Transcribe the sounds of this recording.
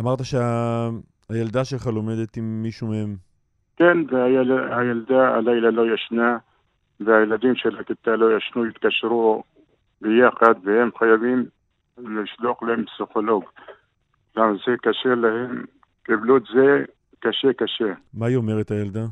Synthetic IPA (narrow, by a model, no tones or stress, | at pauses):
amaʁt̪aʃea | ajeld̪aʃelχalomed̪et̪imːiʃumehem | kenveajlhajald̪aa̰lajlalojaʃna | veajelad̪imʃelakit̪alojaʃnujit̪kaʃɾu | bejaxad̪vehemxajavim | liʃloqlehempsixoloɡ | lamazekaʃelahem | kiblut̪ze | kaʃekaʃemajomeʁet̪hajeld̪a